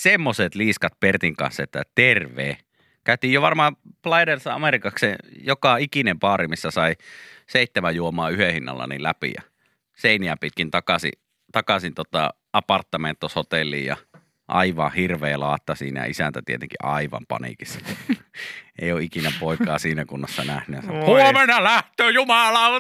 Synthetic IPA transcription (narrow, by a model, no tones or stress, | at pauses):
semːoset̪liːskɑt̪̚pert̪iŋkɑ̰nsːɑet̪ːæt̪erʋeː | kæˑyt̪iːjjoʋɑrmɑːplɑidersɑɑ̰merikɑkseːjokɑikinempɑːrimisːæsɑiseˑit̪ːemæjuomɑːyhehinːɑ̰lːɑ̰nḭlæpḭjɑ̰ | seiniæpit̪̚kint̪ɑkɑsḭ | t̪ɑkɑsint̪ot̪ɑ̰ | ɑpɑrt̪ːɑment̪ːoshot̪elːˑḭːjjɑ̰ | ʔɑ̰iʋɑ̰hirʋeːlɑːt̪ːɑsiːnæ̰jɑ̰isænt̪æt̪ḭet̪eŋkiʔɑiʋɑ̰mpɑ̰nḭkisːɑ | ḛˑijoːʔikinæpoˑikˑɑːsiːnækunːɑsːɑnæhnyjɑsɑhuomenɑlæht̪øːjumɑlɑ